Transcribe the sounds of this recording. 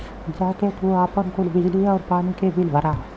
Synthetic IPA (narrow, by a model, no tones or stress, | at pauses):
d͡ʒaːket̪uaːpənkʊlbɪd͡ʒliɔːɾpaːnikebʱɪlbʱəɾaː